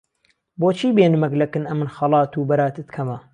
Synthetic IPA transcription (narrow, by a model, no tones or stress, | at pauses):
boːt͡ʃʰiːbeːnɨmɐklɐkɨnɐmɨnxɐlˠɑːt̪uːbɐɾaːt̪ɨt̪kʰɐmɐ